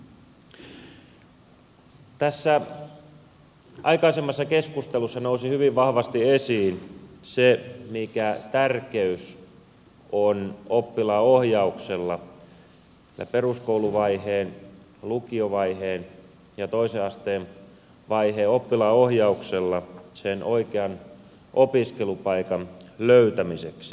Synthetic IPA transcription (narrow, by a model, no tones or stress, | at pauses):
t̪æsːæ | ʔɑ̰ikɑisemːɑsːɑkeskust̪elusːɑnousihyʋiʋʋɑhʋɑst̪iesiːnsemikæt̪ærkeys | onopːilɑːohjɑukselːɑ | æ̰peruskouluʋɑiheːn | lukioʋɑiheːn | jɑt̪oiseɑst̪eːn | ʋɑiheːopːilɑːohjɑukselːɑsenoikeɑn | ʔopiskelupɑikɑnløyt̪æmiseksi̥